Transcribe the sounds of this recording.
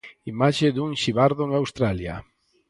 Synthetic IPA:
imaʃeðuŋʃiβaɾðoŋawst̪ɾalja̰

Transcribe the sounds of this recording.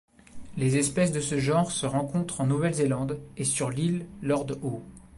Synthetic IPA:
lezɛspɛs̬d̪əsəʒɑ̃ʁsəʁɑ̃kɔ̃t̪χɑ̃nuvɛlzelɑ̃d̪esyʁlilːɔʁd̪o

